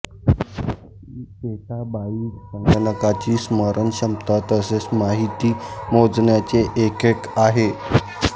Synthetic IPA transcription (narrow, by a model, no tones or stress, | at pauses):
ikeʈʰabaiːssəŋɡəɳəkat͡ɕiːsməɾʔənɕəmt̪at̪əsesmaɦit̪iːmod͡zɳjat͡seʔekekaɦe